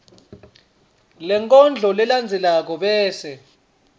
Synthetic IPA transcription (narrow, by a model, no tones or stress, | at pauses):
lɛŋkʼɔnd͡ɮʱɔlɛland͡zʱɛlak̬ɔɓɛːsɛ